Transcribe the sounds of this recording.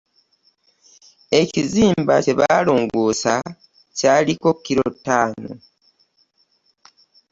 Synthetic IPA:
e̞ciziːmba̰ce̞βaːloːŋɡoːsa | caːliko̞kːiɾotːaːno̰

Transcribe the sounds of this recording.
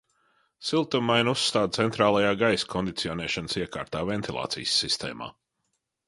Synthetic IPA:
silˠt̪ummːajnusːt̪aːd̪̚t̪sɛnt̪ɾaːlˠajaːɡajskʰɔnd̪it̪siɔnɛːʃansiɛkaːɾt̪aːvɛnt̪ʰilˠa̰ːt̪sḭjsːist̪ɛ̰ːma̰ː

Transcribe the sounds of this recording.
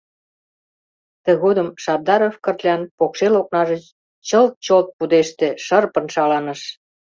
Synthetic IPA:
t̪ə̆ɣod̪əmʃɑb̚d̪ɑɾofkə̆rt̪lʲɑnpokʃelok̚nɑʒət͡ɕ | t͡ɕəlt̪̚t͡ɕolt̪̚pud̪eʃt̪eʃərpə̆nʃɑlɑnəʃ

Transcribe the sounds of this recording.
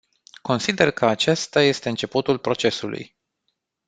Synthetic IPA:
ko̞nsid̪e̞rkʰəat͡ʃest̪aje̞st̪e̞ɨnt͡ʃe̞put̪ulpɾo̞t͡ʃe̞sulṵj

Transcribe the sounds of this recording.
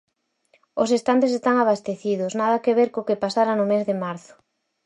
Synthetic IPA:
ʊsest̪ant̪esest̪aŋaβast̪eθiðʊsnað̞ɐkeβ̞eɾkokepasaɾanʊmezðɪmaɾθʊ̥

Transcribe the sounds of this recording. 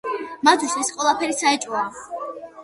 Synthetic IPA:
mat̪ʰusɛsqʼwɛlˠapʰɛɾisaɛt͡ʃʼua

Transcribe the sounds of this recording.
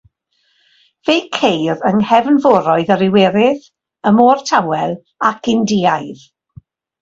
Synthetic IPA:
v̥ejkʰejɾəŋhɛvnvɔɾɔɨðəɾɪwɛɾɪð | əmɔːrtʰawɛlˠ | akʰɪndiːajð

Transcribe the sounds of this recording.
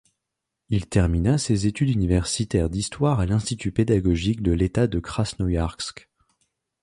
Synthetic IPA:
ilt̪ɛʁminasezet̪yd̪ynivɛʁsit̪ɛʁd̪ist̪waʁalɛ̃st̪it̪yped̪aɡɔʒik̚d̪əlet̪ad̪əkχasnɔjaʁksk

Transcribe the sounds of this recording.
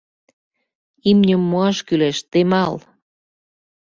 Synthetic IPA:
imnʲəmːoɑʃkyleʃt̪emɑl

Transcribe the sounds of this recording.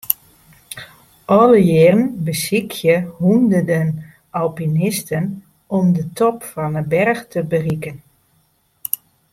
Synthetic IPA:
ʔɔləjɪrənbəsikʰjəhundədən | ɔlpinɪstən | ɔmdətɔpfɔnəbɛrxtʰəbərikən

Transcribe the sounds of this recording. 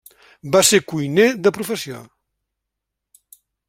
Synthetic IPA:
basekujneðəpɾufəsio̰

